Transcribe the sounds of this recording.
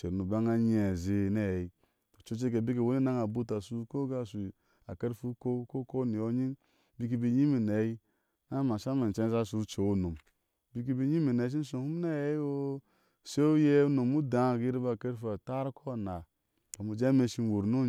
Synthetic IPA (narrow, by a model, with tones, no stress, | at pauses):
t͡ʃe˨ɾnu˨ba˦ŋa˦ɲe˨ze˨ne˦˨je˨i˦ | o˨t͡ʃo˦t͡ʃe˦k̬e˨bi˦k̬e˨wo˦ni˦na˦ŋa˨bu˦ta˨su˦ko˦ɡa˦˨su˨ | a˨ke˦ɾfu˦ko˦ko˦ko˦ni˨o˦ɲi˦n | bi˦k̬i˦bi˦ɲi˦mi˨ne˨˦i˦ | na˦ma˨ʃa˦ma˨n˨t͡ʃe˦za˦su˨˦ɾt͡ʃe˨wo˦no˨m | bi˦k̬i˦bi˦ɲi˦mi˨ne˨˦ʃ̬i˦n˦so˨hu˦m˦ne˦je˦o˦ | se˦u˦je˦u˦no˨mu˦da˨˦˨ɡi˦ɾi˦ba˨ke˦ɾfu˦a˨ta˦ɾkʰɔ˦˨na˨ | ka˨mu˨d͡ʒe˦me˨ʃi˦n˨wo˨ɾno˦